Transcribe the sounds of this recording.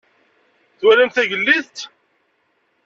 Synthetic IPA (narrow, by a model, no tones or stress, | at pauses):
θwælænθæʝəlːiθt̪